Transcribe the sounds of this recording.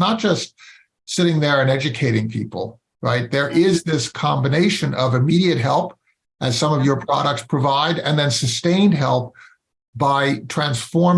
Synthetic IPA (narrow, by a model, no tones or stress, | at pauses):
nət̚d̥ʒ̥ʌst̚ | sɪɾɪ̃ŋðə˞ɨ̃nɛd͡ʒɨkʰeɪɾɪ̃ŋpʰḭpl̩ˠ | ɹa̰ɪt̪̚ðə˞ʔɪzðɪskʰɑ̃mbɨneɪʃɨ̃nʌvɨmiɾiɨt̚ɦɛlˠp | ʔɨz̥sʌ̃mʌvjə˞pʰɹ̥ɑ̰ɾək̚tspʰɹ̥ɨvaɪɾɨ̰̃nðɨ̃nsɨstẽɪ̃nd̚ɦɛ̰lˠp̚ | b̥aɪtʰɹ̥æ̃nsfɔɹm